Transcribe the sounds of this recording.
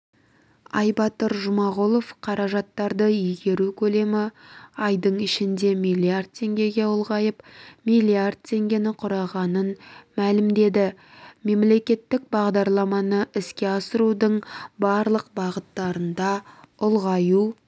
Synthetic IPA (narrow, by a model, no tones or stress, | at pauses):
ɑ̰jbɑt̪əɾʒʊmɑʁolˠo̞fqʰɑɾɑʒɑt̪ːɑɾd̪əiɡʲe̞ɾukʲʰɵle̞mɪɑjd̪əɴɪʃɪnd̪e̞mijlʲˠijard̪̚t̪ʲʰːe̞ŋɡʲe̞ɡʲe̞ʊlˠʁɑjəpmijlʲˠijard̪̚t̪ʲʰe̞ŋɡʲe̞nɪqʰʊɾɑʁɑnənmælɪmd̪e̞d̪ɪme̞mle̞kʲe̞t̪ːɪk̚bɑʁd̪ɑɾlˠɑmɑnəʔɪskʲe̞ɑsəɾud̪əɴbɑɾlˠəq̚bɑʁət̪ːɑɾənd̪ɑ | ʊlˠʁɑju